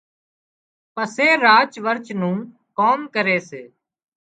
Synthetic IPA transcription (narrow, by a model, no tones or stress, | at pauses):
pəseːɾaːt͡ʃʋəɾt͡ʃnũː | koːmkəɾeːseː